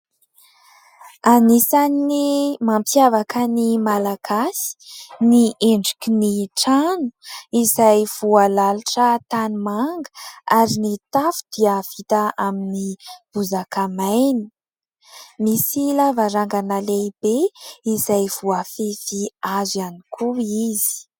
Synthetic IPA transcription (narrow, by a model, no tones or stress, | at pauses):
anisanːimampiavakənimalaɡ̥asi̥nieɳɖ͡ʐikiniʈ͡ʂanu̥izajv̥ualaluʈ͡ʂət̪animaŋɡəaɾinit̪afu̥d̪̥iav̥it̪aaminib̥uzakamajni̥ | misilavaɾaŋɡanalebeizajv̥uafefiazanikʰuizi̥i̥